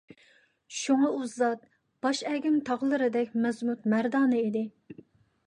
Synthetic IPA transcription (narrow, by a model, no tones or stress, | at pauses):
ʃuŋɑuzɑt̪̚ | b̥ɑʃɛɡʲymt̪ʰɑʁlˠɨɾɨd̪ɛk̚ʲmɛzmut̪mæɾd̪ɑːnɨid̪ɪ